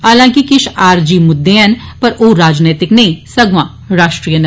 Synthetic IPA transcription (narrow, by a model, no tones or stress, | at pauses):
aːlãːkikɪʃaːɾd͡ʒiːmʊd̪ːeɐnpɐɾʔoːɾaːd͡ʒneːt̪ɪknɐĩsɐɡmãː | ɾaːʃʈɾiːjən